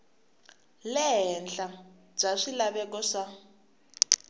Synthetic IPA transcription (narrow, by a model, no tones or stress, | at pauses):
lɛɦɛnd͡ɮa | b͡ʐaʂilaβɛkɔʂa